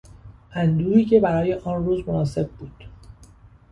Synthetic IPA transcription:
ʔænd̪uːiːcʰe̞bæɾɒːje̞ʔɒːnruːzmonɒːse̞b̚buːd̪̥

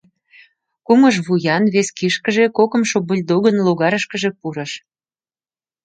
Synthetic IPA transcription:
kuməʃβujɑnβeskiʃkə̆ʒekokə̆mʃobəlʲd̪oɣənloɣɑɾəʃkə̆ʒe̽puɾə̆ʃ

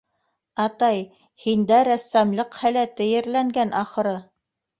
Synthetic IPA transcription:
ɑt̪ɑj | hind̪æɾæsːæmlɤqhælæt̪ɘjɘ̆ɾlæŋɡænʔɑχɤ̆ɾɤ

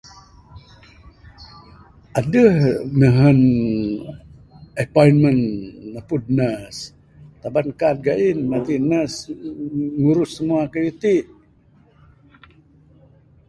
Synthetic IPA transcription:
ʔadəhməɦən | əpajnmənːəpudnəs | t̪abankat̪̚ɡaʔinːat̪inəs | ŋuɾʊsːəmuakəjut̪iʔ

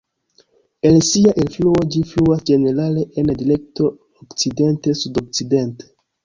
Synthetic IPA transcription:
e̞lsiaʔilfluo̞d͡ʒifluasd͡ʒe̞ne̞ɾale̞ʔenadile̞k̚to̞ | okt͡side̞nte̞sudo̞k̚t͡side̞nte̥

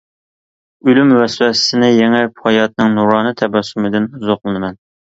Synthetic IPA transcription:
ylymːwɛswɛsɪ̥sɪnɪjɛŋɛpʰɑjɑt̪̚nɨŋnuɾɑːnɨt̪ʰɛbɑsumɨd̪ɨnhzoqlˠɨnɨmɛn

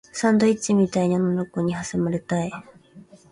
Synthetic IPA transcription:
sãnd̪o̞it͡sɨmʲit̪aiɲ̟iononokoɲ̟ihasemaɾe̞t̪ae

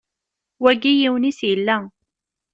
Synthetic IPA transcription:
wæɡijiwnisjəlːæ

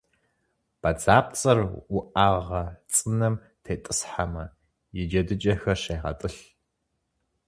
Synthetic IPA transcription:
b̥ɐd͡zaːp̚t͡sʼɐrʊʔaːʁɐt͡sʼɨnɐm | tʰeːtʼɨsħamɐ | jɛd͡ʒɐdɨt͡ʃʼɐxɐʃeːjʁɐ̰tʼɨɬ

